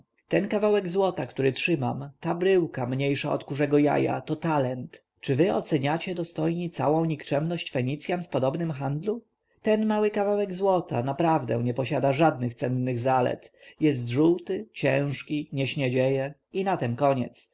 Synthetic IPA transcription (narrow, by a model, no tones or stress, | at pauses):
t̪ɛnkavawɛɡzwɔt̪akt̪uɾɘtʂɘmamt̪abɾɘwkamɲejʂaɔ̰t̪kuʐɛɡɔja̰ja̰t̪ɔt̪alɛnt̪ | t͡ʂɘvɘɔ̰t̪sɛɲat͡ɕɛd̪ɔst̪ɔjɲit̪sa̰wɔ̃w̃ɲikt͡ʂɛmnɔɕt͡ɕfɛɲit̪sʲjanfpɔd̪ɔbnɘmxand̪lu | t̪ɛnmawɘkavawɛɡzwɔt̪ʰa̰napɾavd̪ɛ̰ɲɛpɔɕad̪aʐad̪̚nɘxt̪sɛnːɘɣzalɛ̰t̪jɛs̬t̪ʐuwt̪ɘt͡ɕɛ̃w̃ʂkʲiɲɛɕɲɛd͡ʑɛjɛinat̪ɛnkɔɲɛ̰t̪s